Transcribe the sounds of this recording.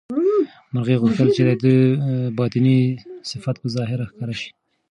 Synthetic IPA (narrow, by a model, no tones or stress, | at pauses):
maɾɣeɣʊxt̪əlt͡ʃed̪ad̪əbɑt̪ɪnisɪfat̪̚pəzɑɦɪɾaxkɑɾaʃi̥